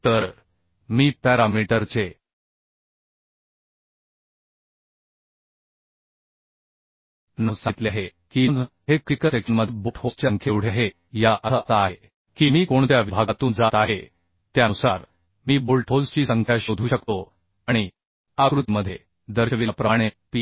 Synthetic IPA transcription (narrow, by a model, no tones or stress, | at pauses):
t̪əɾ | miːpæɾamiʈəɾt͡se | nəsat̪leaɦekiːnd̪ɦekɾikəsekənməd̪ʱbuʈʰost͡ɕjəŋkʰewɽ̤jaɦe | jaʔəət̪aːɦe | kiːmiːkoɳt̪jaʋibʱaɡat̪uːnd͡zat̪aɦe | t̪janusaɾ | miːbulʈʰolst͡ɕiːsəŋkʰjaɕod̪ʱuːɕəkt̪o | aɽ̃i | akɾut̪məd̪ʱːje | d̪əɾɕəʋilapɾəaɽ̃epi